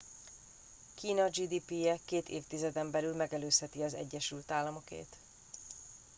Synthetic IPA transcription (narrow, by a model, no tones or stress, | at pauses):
kiːnɒd͡ʒiːd̪iːpijɛkeːt̪ḛːft̪izɛd̪ɛmbɛlylmɛɡɛløːshɛt̪iɒzɛ̰ɟːɛʃylt̪aːlːɒmo̞kḛːt̪